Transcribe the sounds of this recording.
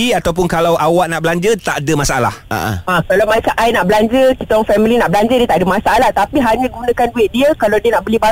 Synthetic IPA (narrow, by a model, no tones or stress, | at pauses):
iat̪awp̬ʊnkalawʔawaʔnaʔbəlaɲd͡ʒət̪aʔdəmãsaʔala̰ha̰ʔa̰akalawmãsaʔajnaʔbəlaɲd͡ʒəkit̪aɔŋfɛmilinaʔbəlaɲd͡ʒədiət̪aʔdəmasaʔalaht̪apiɦaɲãɡunãkanduɪʔ̚diəkalawdiənaʔbəliba